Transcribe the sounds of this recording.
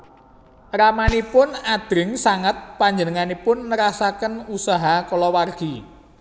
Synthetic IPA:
ramanipʊnad̪̥ɾɪŋsaŋət̪̚paɲd͡ʒənəŋanipʊnːəɾasakənusaɦakɔlɔwarɡ̥i

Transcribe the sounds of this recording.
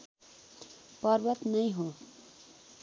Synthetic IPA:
pʌɾbʌt̪nʌjɦõ

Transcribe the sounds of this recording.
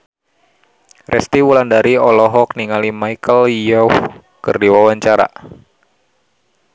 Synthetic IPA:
rʔɛst̪iwulandaɾiɔlɔɦɔk̚niŋalimaikəlijɔuh | kɨrdiwawaɲt͡ʃaɾa̰

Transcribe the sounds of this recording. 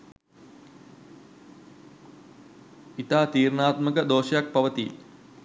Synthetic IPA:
it̪aːt̪iːɾnaːt̪məkəd̪oːʃəjak̚pɐʋət̪i

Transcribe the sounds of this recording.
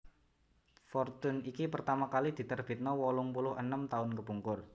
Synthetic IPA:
fɔrt̪ʊnikipərt̪amakalid̪̥i̤t̪ərb̥i̤t̪̚nɔwɔlʊŋpulʊhə̰nəmt̪aʊnkəpuŋkʊr

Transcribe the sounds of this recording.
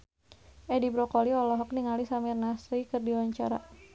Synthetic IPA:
ʔɛdibɾɔkɔliɔlɔɦɔk̚niŋalisamirnasɾikɨrdiwaɲt͡ʃa̰ɾa̰

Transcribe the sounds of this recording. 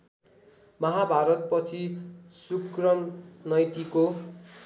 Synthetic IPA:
mʌɦabʱaɾʌt̪̚pʌt͡sʰisukrʌmnʌjt̪iko

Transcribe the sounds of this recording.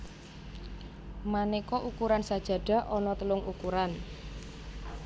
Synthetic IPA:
manekɔʔukuɾansad̥ʒ̥ä̤ɖ̥a̤ʔɔnɔt̪əlʊŋṵkuɾan

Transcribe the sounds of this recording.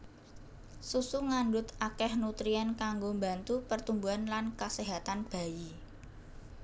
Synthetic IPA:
susuŋaɳdʊt̪akɛhnut̪ɾiankaŋɡombant̪upərt̪umbuɦanlankəseɦat̪anb̥a̤ji

